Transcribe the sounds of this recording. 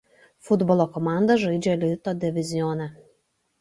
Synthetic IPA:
fʊd̪bɔlˠoːkɔmɑˑnd̪ɐʒɐɪd͡ʒʲɛlʲɪt̪oːd̪ʲɪʋʲɪzʲɪjɔːnʲɛ

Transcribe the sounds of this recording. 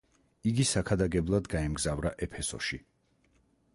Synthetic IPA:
iɡisakʰad̪aɡɛblˠad̪ɡaɛmɡzavɾaʔɛpʰɛsɔ̰ʃi

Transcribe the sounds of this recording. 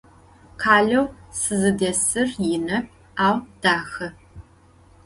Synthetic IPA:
qʰaːɮɐwsɨzɨdɐsɨrjɪnɐp̚ | aːwd̥aːxɐ

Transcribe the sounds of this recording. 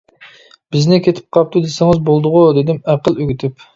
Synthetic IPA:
b̥ɪznɪkʲʰet̪ʰɪ̥p̚qʰɑp̚t̪ʰud̪esɪŋɨzbolˠd̪ʊʁud̪ed̪ɪmæqəlˠøɡʲyt̪ʰɪp

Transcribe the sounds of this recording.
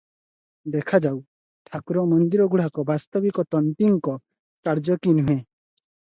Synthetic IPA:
d̪ɛkʰad͡ʒaw | ʈʰakuɾɔmɔnd̪iɾɔɡuɽ̤akɔbast̪ɔbikɔt̪ɔnt̪iŋkɔ | kaɾd͡ʒɔkinũɦẽ

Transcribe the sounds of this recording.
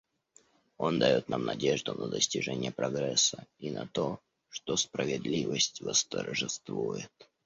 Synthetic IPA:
o̞nd̪ɐjo̞t̪̚namnɐdʲeʐd̪ʊnəd̪əsʲtʲɪʐɛnʲɪjəpɾɐɡɾɛsːəinʔɐt̪o | ʂt̪ospɾəvʲɪd̪lʲivəsʲtʲvəst̪ərʐɨst̪vujɪt̪

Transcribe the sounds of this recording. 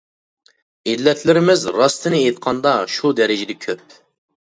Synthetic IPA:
id̪lɛt̪ʰlɪɾɪmɪzɾɑst̪ʰɪnɪet̪̚qʰɑnd̪ɑʃud̪ɛɾɪd͡ʒɪd̪ɛkʲʰøp̚

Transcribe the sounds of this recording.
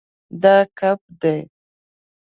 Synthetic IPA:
d̪ɑkap̚d̪aj

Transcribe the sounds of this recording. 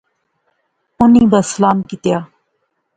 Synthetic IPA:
ʊniːbəslaːmkɪt̪jaː

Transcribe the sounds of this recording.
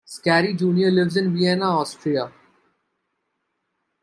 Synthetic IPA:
skæːɾid͡ʒũːniəɾlɪʋzɪ̃nʋiɛnaɔːsʈɾia

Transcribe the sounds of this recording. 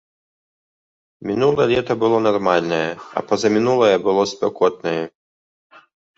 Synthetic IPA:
mʲinulˠɐjɛlʲɛt̪ɐbɨlˠɔnarmalʲnɐjɛɐ̰pɐzɐmʲinulˠɐjɛbɨlˠɔspʲɛkɔt̪̚nɐjɛ

